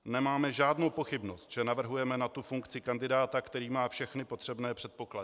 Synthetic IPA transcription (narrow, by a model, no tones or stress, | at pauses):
nɛmaːmɛʒaːdnowpo̞xɪbno̞st̪ʒ̥ɛnavr̩ɦujɛmɛnat̪ufuŋkt͡sɪkandɪdaːt̪akt̪ɛɾiːmaːfʃɛxnɪpo̞t̪r̝̥ɛbnɛːpr̥ɛt̪̚po̞kladɪ